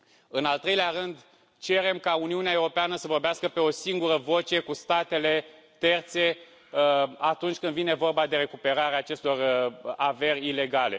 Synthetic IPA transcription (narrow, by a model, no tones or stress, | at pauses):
ɨnalt̪ɾe̞jleaɾɨnd̪ | t͡ʃe̞ɾe̞mkauniuneaewɾo̞peanəsəvo̞rbeaskəpe̞o̞siŋɡuɾəvo̞t͡ʃe̞kust̪at̪e̞le̞ | t̪e̞rt̪se̞ | at̪unt͡ʃʲkɨnd̪vine̞vo̞rbad̪e̞ɾe̞kupe̞ɾaɾeaːt͡ʃe̞st̪o̞rave̞rʲile̞ɡale̞